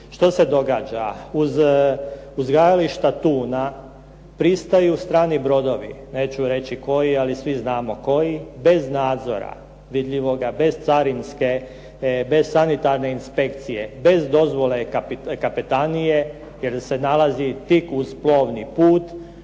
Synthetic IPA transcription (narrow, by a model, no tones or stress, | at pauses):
ʃt̪o̞se̞d̪o̞ɡaːd͡ʒauz | uzɡajaliʃt̪at̪uːna | pɾist̪ajust̪ɾaːnibɾo̞d̪o̞ʋḭne̞ːt͡ʃuɾe̞t͡ɕiko̞jialisʋiznaːmo̞ko̞jibe̞znaːd̪zo̞̰ɾa̰ | ʋid̪ʎiʋo̞ɡabe̞zt̪saɾinske̞ | be̞z̥sanit̪aɾne̞inspe̞kt̪sijebe̞zd̪o̞zʋo̞le̞kapikapit̪anije̞ | jelse̞nalazit̪ikuzplˠo̞ːʋnipuːt̪